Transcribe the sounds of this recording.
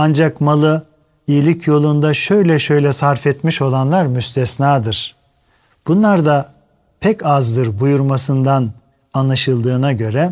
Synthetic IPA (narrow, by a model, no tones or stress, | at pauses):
and͡ʒakmalˠɯ | ijilʲicʰjo̞lˠund̪aʃø̞jlʲɛʃø̞jlʲɛsaɾfɛt̪miʃo̞lˠanlˠaɾmyst̪ʰɛsnaːd̪ɯɾ̥ | b̥unlˠaɾd̪a | pʰɛcazd̪ɯɾbujuɾmasɯnd̪an | anlˠaʃɯlˠd̪ɯːnaɟø̞ɾɛ